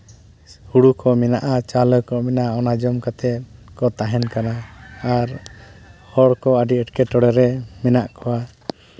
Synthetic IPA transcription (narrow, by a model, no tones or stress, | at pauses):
huɽukɔmɛnaʔat͡ʃalɔjkɔmɛnaɔnad͡ʒɔmkat̪ɛt̪̚kɔt̪aɦɛnkanaaɾ | hɔɽkɔəɖiəʈkɛʈɔɽɛɾɛmɛnaʔkɔwa